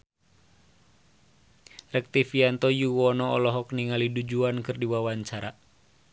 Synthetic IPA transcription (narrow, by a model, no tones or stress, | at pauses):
rək̚t̪ifiant̪ɔjuwɔnɔɔ̰lɔɦɔkniŋalidud͡ʒuankɨrdiwawaɲt͡ʃaɾa